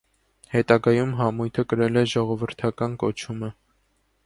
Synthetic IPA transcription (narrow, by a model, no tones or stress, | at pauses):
hɛt̪ɑɡɑjumɦɑmujt̪ʰəkəɾɛlɛʒɔʁɔvəɾt̪ʰɑkɑnkɔt͡ʃʰumə